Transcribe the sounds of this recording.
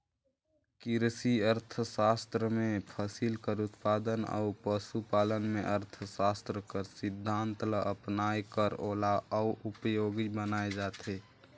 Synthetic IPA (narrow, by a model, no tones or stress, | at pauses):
kɪɾsiəɾt̪ʰəsaːst̪ɾəmẽpʰəsilkəɾʊt̪paːd̪ənə̰upəsupaːlənmḛ̃ʔəɾt̪ʰəsaːst̪ɾəkəɾsɪd̪ʱːãːnt̪ləəpnaːjkəɾoːlaʔəuʔʊpəjoːɡibənaːed͡ʒaːt̪eː